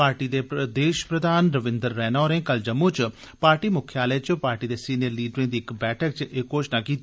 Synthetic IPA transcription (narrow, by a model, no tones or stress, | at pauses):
paːɾʈiːd̪eːd̪eːʃə̥pɾəd̪ʱaːnɾəʋɪ̃nd̪əɾːɛːnaːɾẽːkəld͡ʒəmːut͡ʃ | paːɾʈiːmʊkʰːjaːleːt͡ʃpaːɾʈiːd̪eːsiːnijəɾliːɖɾɪ̃ːd̪iːɪkbɛːʈʰəkt͡ʃʔekoːʃnaːkiːt̪ː